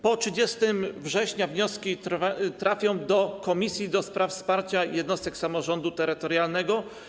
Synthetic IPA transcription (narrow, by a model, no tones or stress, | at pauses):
pɔtʂɘd͡ʑɛst̪ɘmvʐɛɕɲavɲɔskʲit̪ɾafʲjɔ̃w̃d̪ɔkɔmʲisʲjid̪ɔspɾʔafspaɾt͡ɕajɛd̪nɔst̪ɛksamɔʐɔnd̪ut̪ɛɾɘt̪ɔɾjalnɛɡɔ